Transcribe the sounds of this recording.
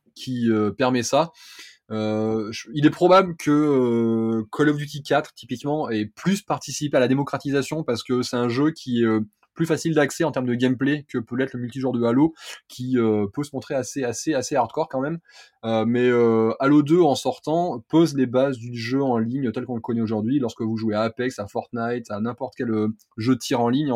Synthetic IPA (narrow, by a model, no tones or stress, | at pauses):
kʲʰiøpɛʁmɛsa | øʒilɛpχɔbablkʰəøkʰɔlɔvd̪yt̪ikʲat̪χt̪ipikmɑ̃ɛplyspaʁt̪isipealad̪emɔkχat̪izasjɔ̃paʁsə̥kəsɛt̪ɛ̃ʒøkʲʰiɛø | plyfasild̪aksɛɑ̃t̪ɛʁmd̪əɡʲɛmplekəpølɛt̪ləmylt̪iʒũʁd̪əalokʲʰiøpøsəmɔ̃t̪χeaseaseaseaʁt̪kwɔʁkɑ̃mɛm | ømɛøalod̪øɑ̃sɔʁt̪ɑ̃pozlebazd̪yʒøɑ̃liɲt̪ɛlkɔ̃ləkɔnɛoʒuʁd̪ɥilɔʁsəkəvuʒueaːpɛksafɔʁt̪najt̪anɛ̃pɔʁt̪kʲɛlø | ʒøət̪ʰiʁɑ̃liɲ